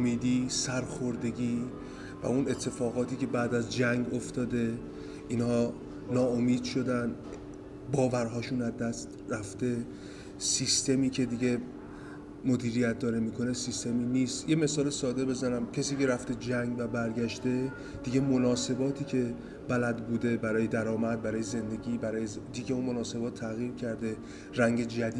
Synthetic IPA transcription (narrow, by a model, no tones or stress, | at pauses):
omiːd̪iːsæɾxo̞ɾd̪e̞ɟiː | væ̰une̞t̪ʰːe̞fɒːɣɒːt̪ʰiːcʰe̞bæːd̪æzd͡ʒæŋɡoft̪ɒːd̪e̞ | inhɒː | nɒːomiːd̪̥ʃo̞d̪æn | bɒːvæɾɦɒːʃunæzd̪æst̪ræft̪e̞ | sist̪e̞miːcʰe̞d̪iɟe̞ | mo̞d̪iːɾijæt̪̚d̪ɒːɾemiːkʰo̞ne̞sist̪e̞miːniːst̪je̞me̞sɒːlesɒːd̪e̞be̞zænæmcʰesiːkʲeɾæft̪e̞d͡ʒæŋɡvæbæɾɟæʃt̪e̞ | d̪̥iɡe̞mo̞nɒːse̞bɒːt̪ʰiːcʰe̞ | b̥ælæd̪buːd̪e̞bæɾɒːje̞d̪æɾɒːmæd̪̚bæɾɒːjeze̞nd̪e̞ɡiːbæɾɒːje | d̪iɟeunmo̞nɒːse̞bɒːt̪ʰːæɣiːɾcʰæɾd̪e̞ | ræŋɡe̞d͡ʒæd̪iː